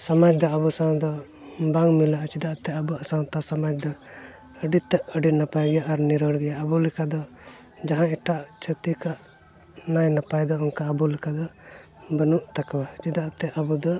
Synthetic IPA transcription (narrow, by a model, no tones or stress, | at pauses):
samad͡ʒd̪ɔəbusãw̃d̪ɔ | baŋmilaʔt͡ʃid̪aʔt̪ɛəbuasawt̪asamad͡ʒd̪ɔ | əɖit̪ɛʔəɖinapajɡɛjaʔːɾniɾɔɽɡɛjaʔəbulɛkad̪ɔ | d͡ʒaɦãɛʈaʔt͡ʃʰət̪ikaʔ | najnapajd̪ɔɔŋkaəbulɛkad̪ɔ | bənuʔt̪akwat͡ʃid̪aʔt̪ɛʔəbud̪ɔ